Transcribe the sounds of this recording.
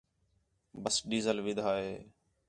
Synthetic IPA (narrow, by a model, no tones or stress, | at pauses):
bəsɖiːzəlʋɪd̪ʱaːɦeː